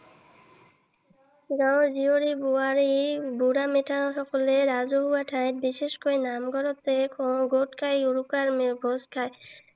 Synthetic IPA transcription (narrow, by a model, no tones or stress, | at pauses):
ɡãɾzioɾibuaɾibuɾameʈʰaɦɔkɔleɾazoɦuaʈʰãjt̪̚biʃeʃkojnamɡɔɾɔt̪ekʰɔɡoʈkʰajuɾukaɾmeɡʱoskʰaj